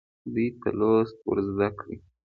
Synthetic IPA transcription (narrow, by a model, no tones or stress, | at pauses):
d̪ujt̪əlost̪̚wə̰ɾzd̪akɽi